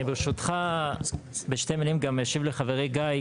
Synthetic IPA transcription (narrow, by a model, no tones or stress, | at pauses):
ibeʃut̪χa | beʃtemilimɡameʃivleχaveʁeɡaj